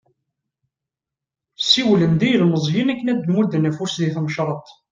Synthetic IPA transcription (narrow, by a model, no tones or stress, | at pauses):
siwlənd̪ijəlməzˤɦinækːənæd̪ənwud̪ənæfʊɾsðiθmʃɾˤɑt̪ˤ